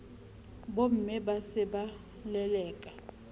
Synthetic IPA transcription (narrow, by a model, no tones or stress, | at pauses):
bom̩mɛɓasɛɓa | lɛlɛːkʼḁ